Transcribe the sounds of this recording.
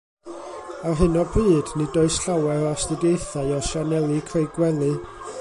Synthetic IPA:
arɦɨnɔbɨːdnɨdoɨsɬawɛɾɔstɨdjejθaɨɔʃanɛlˠɨkʰrejɡwɛlˠɨ

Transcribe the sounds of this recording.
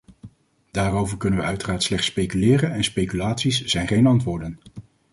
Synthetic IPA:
d̥aːrowvəɹkɵnənʋəœɥtəraːɹtslɛχtspejkylɪːrənɛnspejkylaːtsisz̥ɛjnχejnɑntʋʊːɹdən

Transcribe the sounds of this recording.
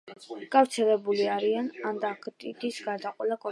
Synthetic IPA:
ɡ̥avɾt̪sʰɛlɛbuliaɾianand̪akʰt̪ʼid̪isɡaɾd̪aqʼwɛlakʼɔ

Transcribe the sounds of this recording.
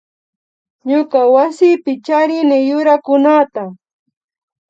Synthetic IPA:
ɲʊkawasɪpɪt͡ʃaɾɪnɪjʊɾakʊnat̪a

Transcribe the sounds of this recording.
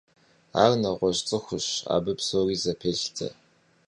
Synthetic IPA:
a̰ːrnɐʁʷɔɕt͡sʼɨxʷʊɕa̰ːbɨpsoːriːzɐpʰeːɬt͡sʰʼɐ̰

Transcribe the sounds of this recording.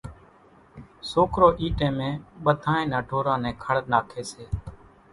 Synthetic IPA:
soːkɾoːʔiːʈẽːmẽːɓəd̪ʱaːẽːnaːɖʱoːɾãːnɛ̃ːkʰəɽnaːkʰeːseː

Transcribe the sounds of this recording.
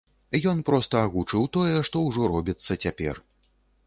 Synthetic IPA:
jɔnpɾɔst̪ɐaɣut͡ʂɨwt̪ɔjɛʂt̪ɔwʐɔɾɔbʲit̪sːɐt͡sʲapʲɛ̰r

